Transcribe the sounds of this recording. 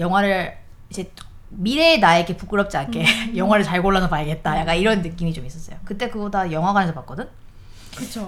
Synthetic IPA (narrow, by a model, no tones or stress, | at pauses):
jʌŋɦwaɾɯɭ | id͡ʑe̞ | miɾe̞ːnaeikʰepuk͈ɯɾʌp̚t͡ɕ͈iankʰe̞jʌŋɦwaɾɯɭt͡ɕaɭɡoɭːadʌpaiɡe̞t̚t͈ajak͈aniɾʌnːɯk͈imit͡ɕomis͈ʌs͈ʌjokɯt͈e̞kɯbodajʌŋɦwaɡanesʰʌpak͈̚ʌdɯn | kɯt͡ɕʰo